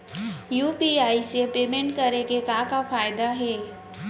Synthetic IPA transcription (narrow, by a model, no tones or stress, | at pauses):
juːpiaːisepeːmẽɳʈkɐɾekekãːkafaːjd̪aɦɛː